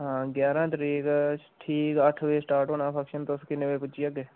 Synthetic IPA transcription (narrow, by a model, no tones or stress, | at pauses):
ɦãːɡjaːɾãːt̪ɾiːkʈʰiːkəʈʰʋeːsʈaːɾʈonãːpʰakʃənt̪oskineʋepʊt͡ʃiaɡeː